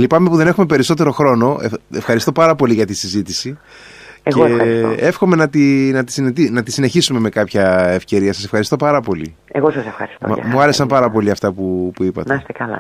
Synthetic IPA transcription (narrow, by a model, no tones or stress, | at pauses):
lipɐmepuðe̞ne̞xume̞peɾiso̞t̪e̞ɾo̞xɾo̞no̞eefxɐɾist̪o̞pɐɾɐpo̞liʝɐt̪isizit̪isi | ecɣeoisoe̞fxo̞me̞nɐt̪inɐt̪i̥sinet̪inɐt̪isine̞çisume̞me̞kɐpçɐefce̞ɾiɐsɐsefxɐɾist̪opɐɾɐpo̞lḭ | eɣosɐsefxɐ̰ɾist̪o̰mɐ̰muɐɾe̞sɐmpɐɾɐpo̞liɐft̪ɐpupuipɐ̰t̪eɐst̪ekɐlɐ̰